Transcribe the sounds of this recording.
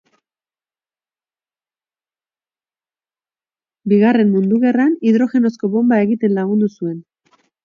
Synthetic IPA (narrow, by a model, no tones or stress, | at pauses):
biɣare̞mmund̪uɣe̞raniðɾo̞xe̞no̞sko̞βo̞mbae̞ɣit̪e̞nlaɣ̞und̪usue̞n